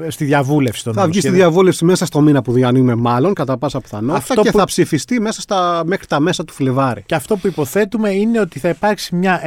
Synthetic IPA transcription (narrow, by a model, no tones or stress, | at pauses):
st̪iðjʝɐvulefsi̥t̪onθɐvist̪iðjɐvule̞fsimesɐst̪o̞minɐpuðiɐnimemɐlo̞nkɐt̪ɐpɐsɐpθɐnoɐft̪ɐt̪oeθɐpsifist̪ime̞sɐst̪ɐmexɾit̪ɐmesɐt̪u̥flevɐɾiceɐft̪o̞puipo̞θe̞t̪ume̞ineo̞t̪iθɐipɐɾksimɲɐ